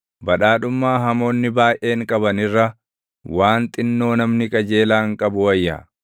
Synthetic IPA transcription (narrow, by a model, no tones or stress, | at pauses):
bɐᶑaːᶑʊmːaːɦɐmo̞ːnːɪbaːjʔe̞ːŋkʼɐbɐnɪrːɐ | waːnt̪ʼɪnːo̞ːnɐmnɪkʼɐd͡ʒe̞ːlaːŋkʼɐbʊwɐjːɐ̰